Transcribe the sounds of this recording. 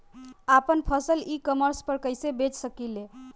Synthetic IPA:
apənpʰəsəlikəməɾspəɾkəɪsebet͡ʃsəkile

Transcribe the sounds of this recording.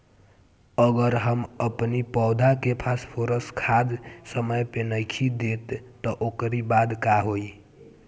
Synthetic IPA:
əɡəɾɦəməpnipɔʊd̪ʱakepʰaspʰoɾəskʰad͡ʒ̪səməjpenəjkʰid̪et̪ːɔʔokɾibad̪kaɦoi

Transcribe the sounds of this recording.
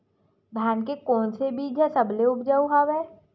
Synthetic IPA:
bʱaːnkekɔːnsebiːd͡ʒʱɦɛsɐbleʊpʰd͡ʒaːuɦaːwɛː

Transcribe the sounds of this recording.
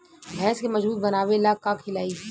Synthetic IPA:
bʱɛːskemɐd͡ʒbuːt̪̚bɐnaːʋelaːkakʰɪlaːi

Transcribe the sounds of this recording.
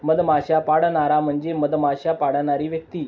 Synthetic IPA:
məd̪maɕapaɽɳaɾam̤əɳd͡zeməd̪maɕapaɽɳaɾiːʋjək̚t̪iː

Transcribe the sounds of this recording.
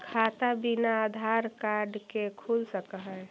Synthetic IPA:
kʰaːt̪abinaːd̪ʱaɾkaɾɖkekʰulsəkaɦɛ

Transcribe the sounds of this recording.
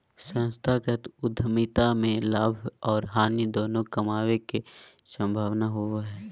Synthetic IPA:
sə̃nst̪ʰaːkət̪ʊd̪ʱəmit̪amẽlaːbʱɔːɾɦaːnid̪oːnõkəmaːweke | sə̃mbʱaːʋnaɦoɦɛː

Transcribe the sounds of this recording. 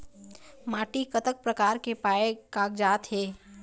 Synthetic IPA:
maːʈikət̪ək̚pɾəkaːɾkepaːekaːkd͡ʒaːt̪ɦeː

